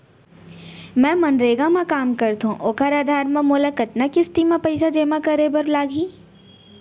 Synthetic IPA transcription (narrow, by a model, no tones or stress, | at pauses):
mɛ̃ːmɐnɾeːɡãmãkaːmkɐɾt̪ũʔoːkʰaɾaːd̪ʱaːɾmẽmoːlakɐt̪nakɪst̪imãpɐɪsad͡ʒeːmakɐɾebɐɾlaːɡʱiː